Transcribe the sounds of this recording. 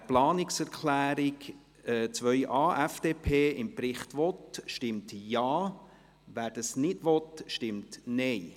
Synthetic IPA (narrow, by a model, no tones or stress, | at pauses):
plɑːnɪksɛɾkʰlæːɾɪk | ɛt͡sʋœʏʔɑːʔæfd̥eːpʰeːɪmpɾɪχt̪ʋɔtʃtɪmtjɑː | ʋæːɾd̥ɑsnɪdʋɔt̪ʃtɪmtnɛj